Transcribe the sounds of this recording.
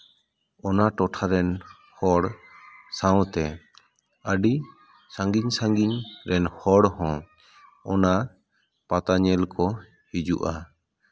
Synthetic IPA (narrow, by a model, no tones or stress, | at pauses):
ɔnaʈɔʈʰaɾɛn | hɔɽsawt̪ɛ | əɖi | sãŋɡiɲsãŋɡiɲɾɛnhɔɽhɔ̃ | ɔna | pat̪aɲɛlkɔ | hid͡ʒuʔa